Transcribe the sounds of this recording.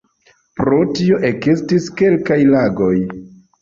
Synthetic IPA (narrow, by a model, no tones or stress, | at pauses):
pɾo̞tio̞ʔeɡistiske̞lkajlaɡo̞j